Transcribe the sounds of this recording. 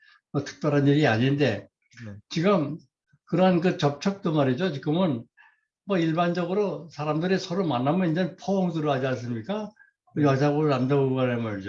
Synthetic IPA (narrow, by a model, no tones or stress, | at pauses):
ʌtʰɯ̥k̚p͈aɾaniɾiaɲinnde̞ | t͡ɕiɡɯm | kɯɾʌɦankɯt͡ɕʌp̚t͡ɕʰʌk̚t͈omaɾid͡ʑot͡ɕiɡɯmɯn | mʌiɭband͡ʑʌɡɯɾosʰaɾamdɯɾesʰʌɾomanːamjʌnind͡ʑʌnpʰʌʌŋtɯɾʌad͡ʑians̬͈ɯmɲik͈a | ʌjʌs̬ʰaɡonandaoɡʌnemʌd͡ʑo